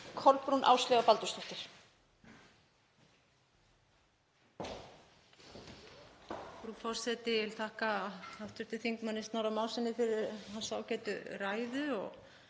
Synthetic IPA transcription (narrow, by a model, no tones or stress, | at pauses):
kʰɔɾpɾunʔa̰ːwst̪lɛɣapalt̪ʏst̪ɔht̪ɪɾ̥ | fɾufɔr̥sɛt̪ɪɪlθʰaːhkaaft̪ʏɾ̥t̪ɪθiŋkmanːɪst̪awɾamaːwlsɛnːɪfɪɾɪɾɦansaːwcɛːt̪ʏ̰raːjðʏɔɣ